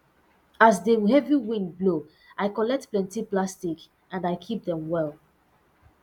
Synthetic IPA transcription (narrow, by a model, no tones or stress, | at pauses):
asdeɦɛviwĩnblo | ʔaɪkɔlɛk̚tplɛ̃ntiplastik | ãndaɪkʰip̚ðɛ̃mwɛlˠ